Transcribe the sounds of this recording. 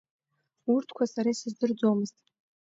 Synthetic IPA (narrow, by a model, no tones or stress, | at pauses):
urtʰkʷʰasaɾajsɨzdɨrd͡zo̞mɨztʼ